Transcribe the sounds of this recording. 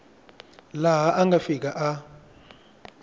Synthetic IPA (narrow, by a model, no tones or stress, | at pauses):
laɦaʔaŋɡʱafik̬ʼaʔa